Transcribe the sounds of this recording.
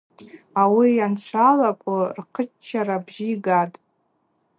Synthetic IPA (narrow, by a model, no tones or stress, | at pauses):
awijant͡ʃʷʰalakʷʼʊrqʰət͡ʃt͡ʃʰːaɾabʒijɡatʼ